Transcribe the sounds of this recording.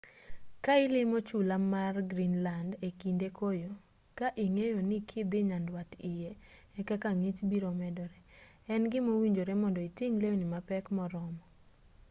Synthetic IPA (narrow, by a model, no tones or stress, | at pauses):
kaɪlɪmot͡ʃulamarɡɾinlandekindekojo | kaʔiŋejonɪkʰɪd̪ɪɲandwatɪjɛ | ɛkakaŋit͡ʃbiɾomɛdɔɾɛ | ɛnɡɪmowiɲd͡ʒoɾemɔndɔitiŋlewnɪmapɛkmɔɾɔmɔ